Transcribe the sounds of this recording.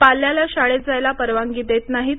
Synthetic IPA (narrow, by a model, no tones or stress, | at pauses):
palːjalaɕaɭet̪̚d͡zajlapəɾʋaŋɡiːd̪et̪naɦi